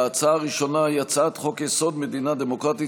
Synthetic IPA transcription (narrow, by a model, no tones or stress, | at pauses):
at͡saʁiʃo̞najat͡sat̪χo̞kjeso̞d̪med̪inad̪emo̞kʁat̪i